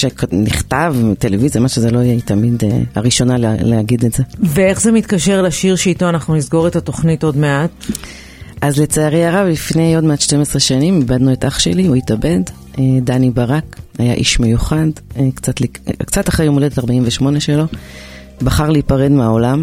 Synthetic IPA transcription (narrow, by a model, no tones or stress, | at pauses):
ʃekniχt̪avtelevizijamaʃezelo̞jɛt̪amidḛaʁiʃo̞nalleaɡidezevee̞χzemitkaʃeʁlaʃiʁʃeitoanaχnunizɡo̞ʁetato̞χnito̞dmeat | ʔazlet͡seaʁejaʁavlifne̞jo̞dmeatʃtemesʁeʃanimibad̪nuetʔaχʃe̞̰liujitabe̞d | edanibaʁakajaʔiʃmejuχadkt͡satlikt͡sataχʁejumoled̪etaʁbaimveʃmo̞neʃelo̞ | baχaʁleipaʁe̞dmeao̞lam